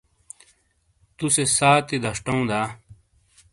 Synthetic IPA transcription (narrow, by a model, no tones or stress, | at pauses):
t̪usesaːt̪id̪ʱɐʂʈoũːd̪aː